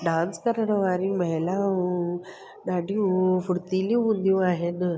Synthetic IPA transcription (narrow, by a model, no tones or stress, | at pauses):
ɖãnt͡skəɾɳəʋaɾiməɦla | ɖaɖifuɽt̪iliũnd̪jũaɦenə